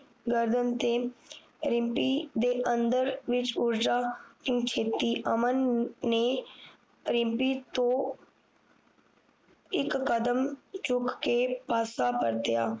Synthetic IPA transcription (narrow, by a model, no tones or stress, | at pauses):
ɡəɾd̪ənt̪eː | ɾɪ̃mpiːd̪eːʔənd̪əɾʋɪt͡ʃʊɾd͡ʒaːkɪŋɡt͡ʃʰeːt̪iːʔəmənːeː | ɾɪ̃mpiːt̪õː | ɪkːəd̪əmt͡ʃʊkːeːpaːsaːpəɾt̪ɪjaː